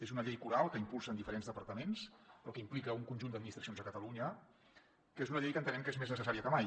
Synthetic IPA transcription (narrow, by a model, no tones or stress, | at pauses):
ezunəʎejkuɾalˠkəimpulˠsəːnd̪ifəɾenzðəpəɾt̪əmenspɾɔkəimplikəuŋkunʒund̪əd̪minit̪ɾəsionzəkət̪əluɲə | kezunəʎejkənt̪ənɛmkəezmeznəsəaɾiəkəmaj